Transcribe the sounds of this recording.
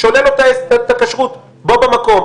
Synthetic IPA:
ʃolelot̪aesat̪akaʃʁut̪ | bo̞bemako̞m

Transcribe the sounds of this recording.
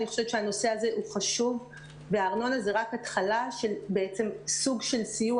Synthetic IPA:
niχo̥ʃevet͡ʃehano̞se̞aze̞ʔuχaʃuv | ve̞aːʁno̞naze̞ʁakhatχalaʃe̞lbeet͡se̞msuɡʃe̞lsiju

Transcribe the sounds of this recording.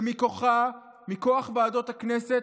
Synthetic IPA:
mikoχa | miko̞aχveado̞t̪aknese

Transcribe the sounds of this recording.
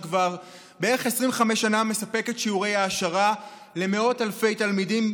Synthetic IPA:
kvaʁ | beeʁeχesʁĩmveχameʃaname̞sape̞ketʃiuʁe̞jaːʃaʁa | le̞me̞o̞talfe̞jtalmidim

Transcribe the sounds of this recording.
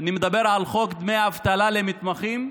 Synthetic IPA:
animed̪abeʁʕalχokd̪mejavt̪alalemit̪maχim

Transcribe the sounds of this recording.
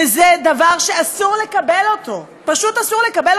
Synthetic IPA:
ezed̪avaʁʃe̞asuʁle̞kabelo̞t̪o̞ | paʃut̪asuʁle̞kabel

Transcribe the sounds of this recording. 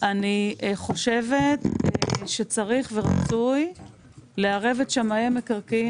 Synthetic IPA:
ʔaniχo̞ʃe̞ve̞t̪ʃet͡saʁiχve̞ʁat͡suj | leaʁe̞ve̞tʃamaemekaʁki

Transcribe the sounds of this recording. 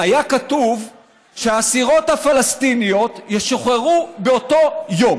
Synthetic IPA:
ajakatuv | ʃeaːsiʁo̞t̪hafalast̪inijo̞t̪jeʃoχeʁubeoto̞jo̞m

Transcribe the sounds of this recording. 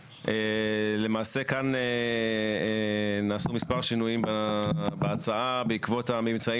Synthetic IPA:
ʔele̞maːse̞kane | naːsumispaʁʃinujimbabeat͡saʔabeikvo̞tamimt͡sai

